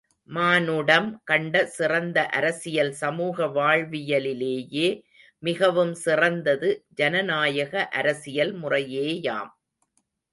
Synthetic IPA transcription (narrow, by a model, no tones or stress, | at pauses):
maːnɯɽɐmkɐɳɖɐsɪrɐnd̪ɐʔɐɾɐsɪjɐlsɐmuːɣɐʋaːɻʋɪjɐlɪleːjeː | mɪɣɐʋɯmsɪrɐnd̪ɐðɯd͡ʒɐnɐnaːjɐɣɐʔɐɾɐsɪjɐlmʊrɐjeːja̰ːm